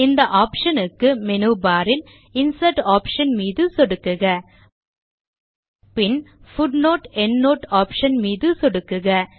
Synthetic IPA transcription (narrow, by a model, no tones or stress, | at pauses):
ɪnd̪ɐʔaːpʂɐnɯkːɯmɛnɯːbaːɾɪl | ɪnsɐʈaːpʂɐnmiːðɯsɔɽɯkːɯɣɐ | pɪnfʊɖnoːʈɛnːoːʈaːpʂɐnmiːðɯsɔɽɯkːɯɣɐ